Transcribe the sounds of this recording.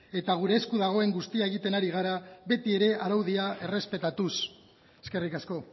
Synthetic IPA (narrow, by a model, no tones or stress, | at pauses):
e̞t̪aɣ̞uɾe̞ːskuðaɣ̞o̞e̞ŋɡust̪iae̞ɣit̪e̞naɾiɣ̞aɾaβe̞t̪ie̞ɾe̞ʔaɾawðiae̞re̞spe̞t̪at̪us | eske̞rikasko̞